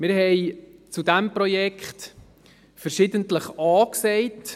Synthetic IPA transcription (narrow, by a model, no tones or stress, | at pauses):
mɪɾhɛɪt͡sudɛmpɾɔjɛkχt | fɛɾʃɪdəntləχɑːksɛɪt